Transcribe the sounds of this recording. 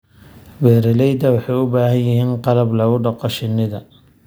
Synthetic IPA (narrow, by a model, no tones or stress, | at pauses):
wɛːɾɛlɛjd̪ɐwɑħɑjʊbaːɦɐnjɪɦiːnqɑlɐblɐɣʊɖɐqɔʃɪnːɪðɐ